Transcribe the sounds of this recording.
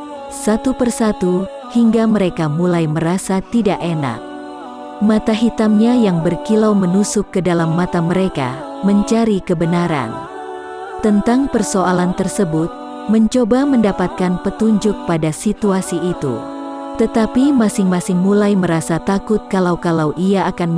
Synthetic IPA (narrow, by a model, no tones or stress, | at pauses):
sat̪upərsat̪u | hiŋɡaməɾekamulajməɾasat̪idaʔena̰k̚ | mat̪aɦit̪amɲajaŋbərkilawmənusʊkːədalamːat̪aməɾeka̰ | məɲt͡ʃaɾikəbənaɾa̰n | t̪ənt̪aŋpərsoʔalant̪ərsəbʊt̪̚ | məɲt͡ʃobaməndapat̪̚kanpət̪uɲd͡ʒʊk̚padasit̪uasiʔːt̪ṵ | t̪ət̪apimasɪŋmasɪŋmulajməɾasat̪akʊt̪̚kalawkalawʔiaːkan